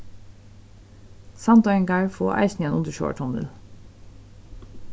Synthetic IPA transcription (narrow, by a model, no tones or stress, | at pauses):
sɑnd̪ɔɪŋɡɑɹfo̰ːʔæ̰ɪçnɪeːnʊnd̪əʃo̰ːə̰ʈʰʊnə̰l